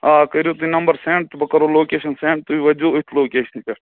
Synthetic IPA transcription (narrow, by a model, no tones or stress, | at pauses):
aːkɐɾot̪uinɐmbɐɾsẽːɳʈbɐkɐɾoloːkeːʃɐnsẽːɳʈ̚t̪uiʋɐd͡ʒuːɪt̪ʰloːkeːʃɐnkɐ